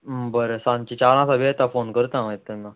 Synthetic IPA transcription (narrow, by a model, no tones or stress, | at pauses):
bəɾesãnt͡ɕit͡ɕaɾãsabiɛt̪afonkəɾt̪ãʋet̪ːɛnːa